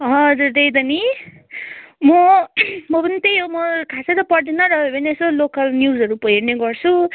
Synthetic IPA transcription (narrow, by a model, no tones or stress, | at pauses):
ɦʌʌd͡zuɾd̪ejd̪ʌni | mʌmʌbʌnit̪ejɦomʌkʰasʰʌɾʌpʌɽd̪inʌɾʌebʌniesolokʌlnjuzʌɾupʌɦiɾneɡʌrt͡sʰu